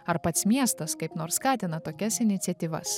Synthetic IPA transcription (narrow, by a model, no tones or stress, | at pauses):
ɐɾpɐt̪smʲiɛst̪ɐskɐɪpnoːɾskɑːt̪ʲɪnɐt̪oːkʲɛsɪnʲɪt̪sʲɛt̪ʲiːʋɐ̰s